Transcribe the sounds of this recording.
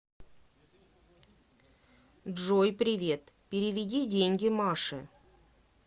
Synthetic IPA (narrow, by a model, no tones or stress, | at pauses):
ʐojpɾʲɪvʲe̞t̪pʲɪɾʲɪvʲɪdʲidʲenʲɡʲɪmɑʂɨ̰